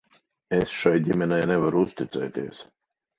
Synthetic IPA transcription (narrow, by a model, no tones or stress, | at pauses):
esʃajɟʲimʲɛnɛjnɛvaɾuust̪it̪sɛ̰ːt̪iɛəs